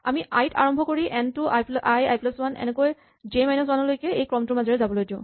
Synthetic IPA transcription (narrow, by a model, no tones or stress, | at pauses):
amiʔajtʰa̰ɹɔmbʱɔkoɹiʔɛntʊʔajplʔajajplaswanɛ̰nɛkoj | d͡ʒemajnɔswanɔlojkɛejkɹɔmtʊmazɔɹɛzabɔlojdiʊ̃